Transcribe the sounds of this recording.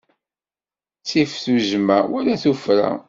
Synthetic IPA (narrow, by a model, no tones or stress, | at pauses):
t͡sːifθuʒmæwæɾæθufɾæ̰